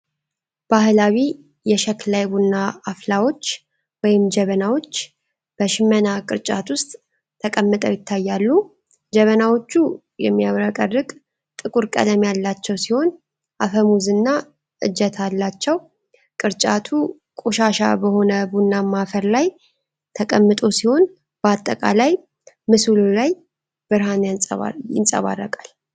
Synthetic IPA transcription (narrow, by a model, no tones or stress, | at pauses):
b̥ahlawi | jɛʃɛklajbunːaːflawo̞t͡ʃː | wɔjɪmd͡ʒəβənawo̞t͡ʃː | b̥əʃɪmːənakʼɨɾt͡ʃʼat̪wʊst̪ʼ | t̪ʰəkʼəmːɨt̪ʼəwjɪt̪ʰːajːalːu | d͡ʒɛβənawo̞t͡ʃːu | jɛ̰mːijaβɾəkʼərːɨkʼ | t̪ʼɨkʼuɾkʼə̰d̪əmjalːat͡ʃːɛwsiho̞n | ʔafəmuzɨnːa | ʔɨ̰d͡ʒɛt̪ʰalːat͡ʃːɛw | kʼɨɾt͡ʃʼat̪ʰu | kʼo̞ʃaʃa̰bəho̞nəbunːamafəɾlaj | t̪ʰəkʼəmːɨt̪ʼo̞siho̞n | b̥əat̪ʼːəkʼa̰laj | mɨsululaj | bɨɾhanʼa̰jɪ̰nsʼə̰βa̰rːəkʼal